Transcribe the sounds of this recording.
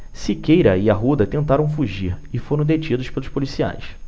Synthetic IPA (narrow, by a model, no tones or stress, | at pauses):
sikejɾɐiɐɦud̪ɐt̪ẽnt̪aɾɐ̃w̃fuʒiɾɪfoɾɐ̃w̃d̪et͡ʃid̪ʊʃpelʊʃpolisia̰js